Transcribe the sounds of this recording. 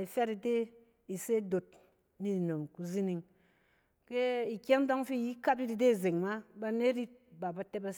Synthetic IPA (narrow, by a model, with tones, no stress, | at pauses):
i˨fʲa˦ti˨de˦ | i˨se˦do˨t̚ | ni˦˨no˨mku˨zi˦ni˨ŋ | ke˦i˨kʲe˦n̩˦dɔ˦ŋ˦fi˦˨ji˦ka˦p̚ɾi˦di˨de˦˨ze˨ŋma˦ba˧ne˦ɾi˦t̚ba˨ba˧te˦ba˧s